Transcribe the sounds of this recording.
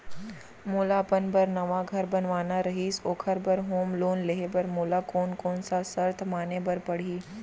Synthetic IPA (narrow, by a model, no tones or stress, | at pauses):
moːlapənbɐɾnɐʋaɡʱɐɾbɐnʋaːnaɾɐɦiːsoːkʰəɾbɐɾɦoːmloːnleɦebɐɾmoːlakɔːnkɔːnsasɐɾt̪ʰmaːnebɐɾpɐɽ̤iː